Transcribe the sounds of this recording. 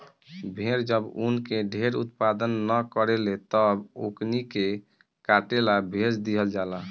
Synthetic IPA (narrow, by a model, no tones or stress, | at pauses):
bʱeɾd͡ʒəbunkeɖʱeɾut̪pad̪ənːəkəɾelet̪əboknike | kaʈelabʱesd̪iɦəld͡ʒala